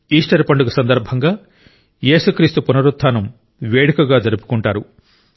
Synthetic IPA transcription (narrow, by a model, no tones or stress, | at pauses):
iːsʈɐɾpɐɳɖuɡusɐnd̪ɐɾbʱɐŋɡaː | je̞ːsukɾiːst̪upunɐɾut̪ʰːaːnɐm | ʋeːɽikɐɡaːd͡ʒɐɾupu̥kuɳʈaːɾu